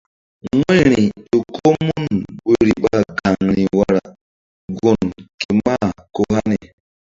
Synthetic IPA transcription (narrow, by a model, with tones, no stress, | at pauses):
ŋʷe˦˨ɾi˨o˨ko˦mu˦nbe˨ɾi˨ba˦˨ɡa˨ŋɾi˨wa˨ɾa˨ | ɡo˨nke˨m˦ba˦ko˦ha˦ne˨